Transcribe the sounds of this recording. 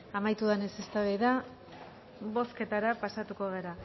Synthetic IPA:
amajt̪uðanesest̪aβeða | bo̞ske̞t̪aɾapasat̪uko̞ɣe̞ɾa

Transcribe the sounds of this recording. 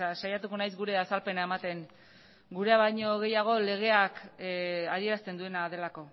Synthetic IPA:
asajat̪uko̞najzɡuɾe̞asalpe̞nae̞mat̪e̞ŋ | ɡuɾeaβaɲo̞ɣe̞jaɣ̞o̞le̞ɣ̞e̞ak | að̞ie̞ɾast̪e̞nd̪ue̞naðe̞lako̞

